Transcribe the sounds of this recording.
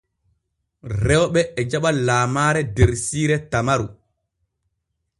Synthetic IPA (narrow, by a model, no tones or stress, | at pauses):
rɛwɓɛːd͡ʒaɓalaːmaːɾɛdeɾsiːɾɛtamaɾu